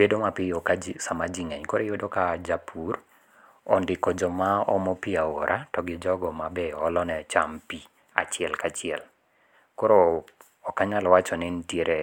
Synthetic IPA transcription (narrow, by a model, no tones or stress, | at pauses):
bedomapiokad͡ʒsamad͡ʒiŋɛɲkoɾejodokad͡ʒapʰur | ɔndɪkɔd͡ʒɔmaɔmɔpiawoɾʔatɔɡɪd͡ʒɔɡɔmabɛɔlɔnɛt͡ʃampi | a̰t͡ʃɪɛlkat͡ʃɪɛl | koɾo | ɔkaɲalɔwat͡ʃɔnɪntjeɾʔe